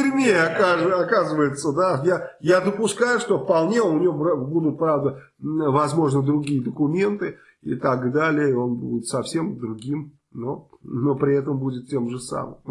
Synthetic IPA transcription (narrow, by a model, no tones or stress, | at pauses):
ɪrʲmʲeɐkaʐɐkazɨvəjɪt̪səd̪ajajad̪əpʊskajʊʂt̪o̞fpɐlˠnʲe̞oʊnʲɪobbud̪ʊt̪̚pɾavd̪ə | vɐzmo̞ʐnəd̪ɾʊɡʲijəd̪əkʊmʲe̞nt̪ɨ | ɪ̰t̪aɡd̪alʲɪjəo̞nbṵdʲɪt̪sɐfsʲe̞md̪ɾʊɡʲim | nono̞pɾʲɪɛt̪əmbudʲɪt̪tʲːe̞mʐɨsa̰mɨ̰m